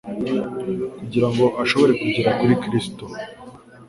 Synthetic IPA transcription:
kuɟiɾaŋɡo̞ʔaʃo̞βo̞ɾe̞kuɟiɾaʔuɾikɾisto

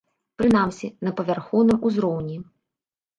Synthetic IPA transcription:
pɾɨnamsʲinɐpɐvʲarxɔwnɨmuzɾɔwnʲi

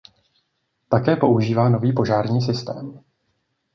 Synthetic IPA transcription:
t̪akɛːpo̞ʔuʒiːvaːno̞viːpo̞ʒaːɾɲiːs̬ɪst̪ɛːm

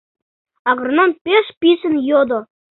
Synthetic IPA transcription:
ɑʁəɾnɑnpʲeʃpʲiʃɪ̆njod̪o

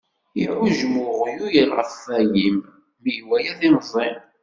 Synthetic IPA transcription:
iʕʊʒmʊʁjujəɾʁə̰θæjim | miʝwæjæðinzˤin

